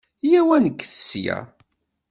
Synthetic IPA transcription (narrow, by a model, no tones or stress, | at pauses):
jæwænəɡːθə̥sjæ̰